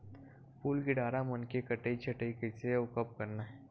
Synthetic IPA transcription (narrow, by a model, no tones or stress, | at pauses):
puːlɡɪɖaːɾamɐnkekəʈeit͡ʃʰɐʈəikeseʊkəp̚kɐɾnaɦɛː